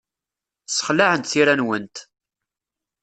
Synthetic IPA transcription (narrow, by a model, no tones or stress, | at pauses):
sə̥χlaʕənt̪θiɾænwənt̪